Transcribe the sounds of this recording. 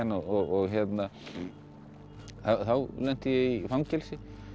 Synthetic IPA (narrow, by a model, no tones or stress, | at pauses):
ɛnɔɔɣɔɣçɛt̪na | θawθawlɛn̥t̪ɪjɛɣifawmcɛlsɪ